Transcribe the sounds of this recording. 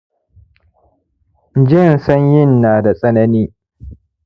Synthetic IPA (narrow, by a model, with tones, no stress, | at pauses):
d͡ʒɪ˦˨nsɐ˦ɲjɪ˦nːaː˨da˨sʼɐ˦nɐ˦niː˦